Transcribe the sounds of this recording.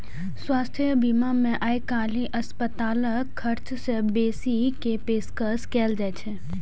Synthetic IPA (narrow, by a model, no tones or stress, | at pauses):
sʋast̪ʰəbimamẽʔajkaːlĩʔəspət̪aləkʰːəɾt͡ʃsebesikepeskəskɛld͡ʒajt͡ʃʰe